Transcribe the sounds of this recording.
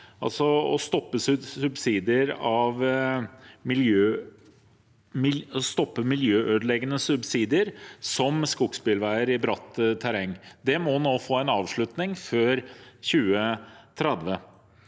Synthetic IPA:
ʔɑ̰lsɔɔst̪ɔpːəssʉbsiːd̪ɪəɾɑʋ | mɪljøː | st̪ɔpːəmɪljøːʔøːd̪lɛɡənəsʉbsiːd̪ɪəɾsɔmskʊɡspɪlʋæɪəɾɪbɾɑt̪ːt̪ʰæɾɛŋːd̪ɛmɔnoːfoːæɪnɑːʋʂɭʉt̪nɪŋføːɾçʉːət̪ʰɾɛd̪ʋə

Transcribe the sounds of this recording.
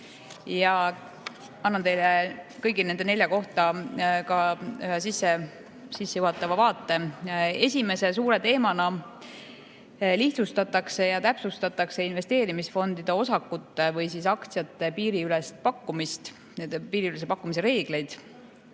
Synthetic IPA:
jɑ | ɑnːɑnt̪e̞jlekɤjɡine̞nd̪e̞ne̞lʲjɑko̞ht̪ɑkɑsisːe̞ | sisːejuɦɑt̪ːˑɑvɑvɑːt̪ːˑe̞e̞sʲime̞se̞suːɾe̞t̪e̞ːmɑnɑ | liht̪sust̪ɑt̪ːˑɑkse̞jɑt̪æpsust̪ɑt̪ːˑɑkse̞inve̞st̪e̞ːɾimisfo̞nd̪̥id̪̥e̞o̞sɑkːut̪ːe̞vɤjsisɑkt̪sijɑt̪ːepiːɾiylɛst̪̚pɑkːumist̪ | epiːɾiyles̬epɑkːumis̬e̞ɾe̞ːɡ̥le̞jd̪̥

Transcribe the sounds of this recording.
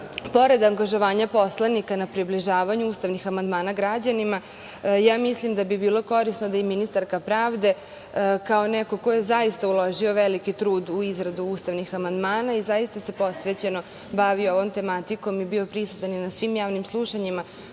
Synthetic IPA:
po̞ɾe̞d̪aŋɡaʒo̞ʋaːɲapo̞slˠanikanapɾibliʒaːʋaɲuuːst̪aʋnixamand̪maːnaɡɾad͡ʑanima | jaːmislimd̪abibiːlˠo̞ko̞ɾisnod̪ajeminist̪aɾkapɾaːʋd̪e̞ | kao̞neko̞ko̞jezajist̪aulˠo̞ʒio̞ʋelikit̪ɾuːd̪uizɾad̪uuːst̪aʋnixamand̪maːnaizaist̪ase̞po̞sʋet͡ɕe̞no̞ | baʋio̞ʋo̞mt̪e̞mat̪iko̞mibiopɾisu̥t̪aninasʋimjaːʋnimslˠuʃaɲima

